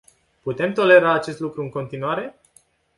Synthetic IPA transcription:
put̪e̞mt̪o̞le̞ɾaːt͡ʃe̞st̪lukɾuɨŋko̞nt̪inuaɾe̞

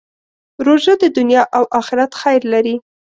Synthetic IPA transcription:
ɾoʒəd̪əd̪ʊnjɑʔawʔɑxɪɾat̪xajɾlaɾi

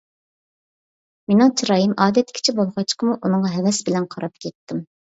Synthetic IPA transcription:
menɨŋt͡ʃʰiɾɑːjimɑːd̪ɛt̪ʰːɪ̥kʲʰt͡ʃʰɛbolˠʁɑt͡ʃqʰəmuʔunɨŋʁɑɦɛwɛsbɪlɛnqʰɑɾɑp̚kʲʰɛt̪ːɪm

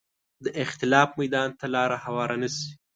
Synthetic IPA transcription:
d̪əʔɪxt̪ɪlɑfmajd̪ɑnt̪alɑɾahawɑɾanəsi̥

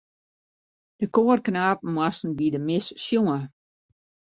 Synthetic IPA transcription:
d̥əkoːrknaːp̚mwasn̩bidəmɪsːjoŋə

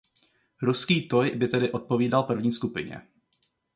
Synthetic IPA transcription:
ɾuskiːt̪ojbɪt̪ɛdɪʔot̪̚po̞viːdalpr̩vɲiːskupɪɲɛ̰

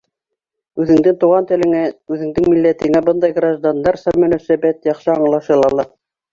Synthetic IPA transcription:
ʉðɘ̆ŋd̪ɘŋt̪uʁɑnt̪ɘ̆lɘ̆ŋæʉðɘ̆ŋd̪ɘŋmilːæt̪ɘ̆ŋæbɤnd̪ɑjɡraʒd̪and̪ɑɾsɑmɵ̆næsæbæt̪jɑχʃɤɑɴlˠɑʃɤlˠɑlˠɑ

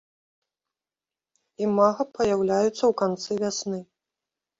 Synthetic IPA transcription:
imaɣɐpɐjawlʲajut̪sːɐwkant̪sɨvʲasnɨ

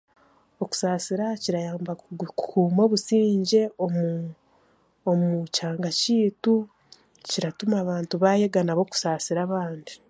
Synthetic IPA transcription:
o̞ku̥saːsiɾaciɾajaːmbakukuːmo̞ːβusiːɲɟe̞o | omucaːŋɡaciːtu | ciɾatumaːβaːntuβajeɡanaβo̞ku̥saːsiɾaβaːndi

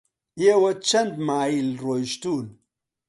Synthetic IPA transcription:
jewɐt͡ʃɐndmailɾojʃtun

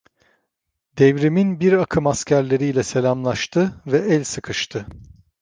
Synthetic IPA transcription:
d̪ɛvɾiminbiɾakʰɯmascʰæɾlʲe̞ɾijlʲɛse̞lʲamlˠaʃt̪ʰɯvɛʔɛlʲsɯkʰɯʃt̪ʰɯ

